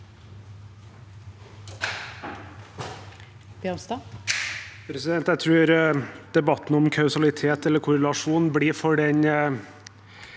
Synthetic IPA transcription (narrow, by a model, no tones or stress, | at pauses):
bst̪ɑ | pʰɾɛsɪd̪ɛnt̪æt̪ʰɾʉːɾd̪̥ɛbɑt̪ːnɔmkʰɑʉsɑlɪt̪ʰeːt̪ɛlːəɾkʰʊɾɛlɑʂuːnbliːfɔɖɛɲ